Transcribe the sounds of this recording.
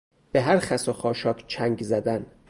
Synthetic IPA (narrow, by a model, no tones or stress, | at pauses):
b̥eɦæɾxæsoxɒːʃɒːkʰt͡ʃʰæŋɡzæd̪æn